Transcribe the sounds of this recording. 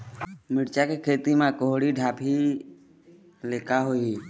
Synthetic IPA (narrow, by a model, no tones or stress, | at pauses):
mɪɽt͡ʃakekʰeːt̪imẽkoɦɽiɖʱaːpʰi | leːkaɦoii